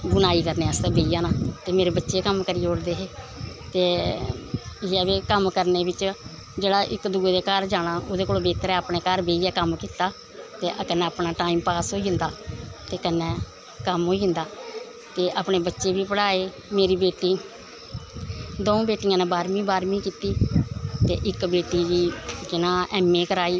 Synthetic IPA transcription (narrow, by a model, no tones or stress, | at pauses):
ɡʊnaːiːkəɾneːəst̪ɛ̃ːbeːijãːnãːt̪eːmeːɾeːbətːʃeːkəmkəɾiːeʊɽd̪eːɦeː | t̪eː | ɛːʋeːkəmkəɾneːbɪt͡ʃ | d͡ʒeːɽaːʔɪkd̪uːeːd̪eːkəɾd͡ʒaːɽ̃aːoːd̪eːkoːloːbeːt̪əɾɛːəpɳeːkaɾbeːiːɛːkəmkiːt̪aː | t̪eːʔkənɛ̃ːəpnaːʈaːiːmpaːsɦoːiːʊ̃nd̪aːt̪eːkənːɛ̃ː | kəmɦoːiːʊnd̪aː | t̪eːʔaːpɳeːbətːʃeːbiːpəɽaːeː | meːɾiːbeːʈiː | d̪õːbeːʈijãːnẽːbaːɾmĩːbaːɾmĩːkiːt̪iːt̪ḛːʔɪkbeːʈiːd͡ʒiːd͡ʒɪnãːʔɛːmẽːkəɾaːiː